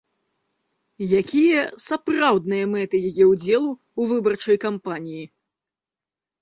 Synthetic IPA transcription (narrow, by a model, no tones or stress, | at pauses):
jakʲijɐsaprawd̪̚nɨjɐmɛt̪ɨjajɛwd͡zʲɛlˠu | uvɨbɐrt͡ʂɐjkampanʲiji